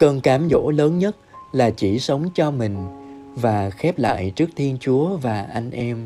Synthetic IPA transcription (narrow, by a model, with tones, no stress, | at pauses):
kəː˧nkaː˨˦mzo̰˧˥ləː˨˦nɲə˦˥t̚laː˨˩t͡ɕi˧˩sə˨˦wŋ͡mt͡ɕɔ˧mï˨˩ŋ̟vaː˨˩xɛ˦˥p̚la̰ː˧˨jt͡ɕɨ˦˥ək̚t̪ʰi˧ənt͡ɕu˨˦əvaː˨˩ʔa˧jŋ̟ʔɛ˧m